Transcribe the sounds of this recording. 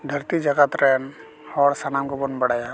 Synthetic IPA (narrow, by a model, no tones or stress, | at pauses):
d̪ʱəɾt̪id͡ʒəɡat̪ɾɛːn | hɔːɾsanamɡobʊnbɐɽaja